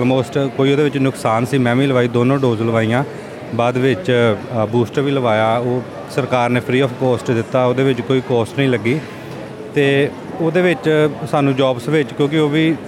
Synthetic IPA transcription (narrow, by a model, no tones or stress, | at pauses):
lmoːsʈkoːiːoːd̪eːʋɪt͡ʃnʊksaːnsiːmɛ̃ːʋĩːləʋaːiːd̪oːnõːɖoːzləʋaːiːãː | baːd̪ʋɪt͡ʃbuːsʈɾʋiːləʋaːjaːoː | səɾkaːɾneːpʰɾiːɔːpʰkoːsʈd̪ɪt̪ːaːoːd̪eːʋɪt͡ʃkoːiːkoːsʈnəĩːləɡiː | t̪eː | oːd̪eːʋɪt͡ʃsaːnũːd͡ʒɔːbsʋɪt͡ʃkjõːk̬ɪoːʋiː